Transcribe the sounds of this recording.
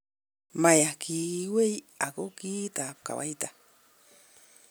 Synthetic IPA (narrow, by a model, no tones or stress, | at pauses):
majakiwej | akokit̪ap̚ka̰wa̰jt̪a